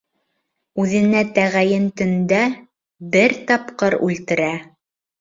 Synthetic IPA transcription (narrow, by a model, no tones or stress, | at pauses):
ʉðɘ̆næt̪æʁæjɘnt̪ɵ̆nd̪æ | bɘɾt̪ɑpqɤɾʉ̰lt̪ɘ̆ɾæ